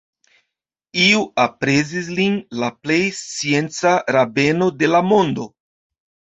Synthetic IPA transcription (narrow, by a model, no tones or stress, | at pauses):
iuapɾe̞zis̬linlaple̞jst͡sie̞nt͡saɾabe̞no̞de̞lamo̞ndo̞